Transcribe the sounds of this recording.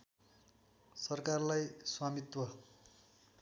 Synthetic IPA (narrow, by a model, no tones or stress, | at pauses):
sʌrkarlajswamit̪wʌ